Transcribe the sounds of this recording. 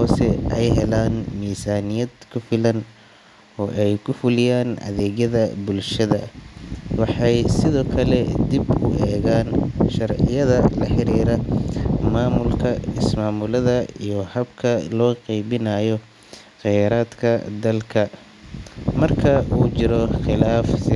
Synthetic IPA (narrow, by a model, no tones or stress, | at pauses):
hɔːsɛɛjɦɛlaːnmiːsaːnɪjɐd̪kʰʊfɪlɐn | ɔːʔɛjkʰʊfʊlɪjaːnʔɐ̰ðɛːɣjɐðɐbʊlʃɐðɐ | wɑħɑjsɪðɔːkʰɐlɛd̪ibkʊʔɛːɣaːnʃɐrʕɪjɐðɐlɐħɪɾiːɾɐmaːmʊlkʰɐɪsmaːmʊlɐðɐijɔhɐbkʰɐlɔːqɛjβɪnajɔ | qɛjɾaːd̪kʰɐd̪ɐlkʰɐ | mɐrkʰɐʔuːt͡ʃɪɾɔχɪlaːf